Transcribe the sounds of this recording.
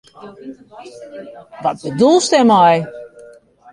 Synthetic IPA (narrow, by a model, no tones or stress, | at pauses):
ʋɔt̚bədulˠstɛmaj